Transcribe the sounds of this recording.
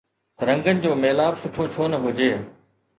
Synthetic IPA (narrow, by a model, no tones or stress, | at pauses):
ɾɐ̃ŋɡənɪ̆d͡ʑoːmeːlaːbsʊʈʰoːt͡ɕʰoːnəɦʊd͡ʑeː